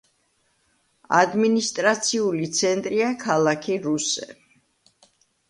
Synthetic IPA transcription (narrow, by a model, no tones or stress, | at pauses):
a̰d̪minist̪ʼɾat̪sʰiulit̪sʰɛnt̪ʼɾiakʰalˠakʰiɾusɛ̰